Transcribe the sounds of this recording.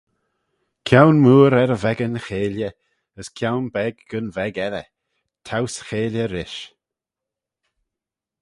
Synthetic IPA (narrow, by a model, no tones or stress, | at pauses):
kʰjawnmuːɾɛɾəvɛɡənəxeːljə | əskʰjawnbɛɡɡənvɛɡɛɾə̰ | tʰawsxeːljəɾɪʃ